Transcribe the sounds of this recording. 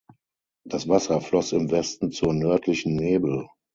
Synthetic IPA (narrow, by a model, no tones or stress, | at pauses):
d̥asv̥asɐflɔsɪmvɛstn̩t͡suːɐnœɐtʰlɪçn̩neːbl̩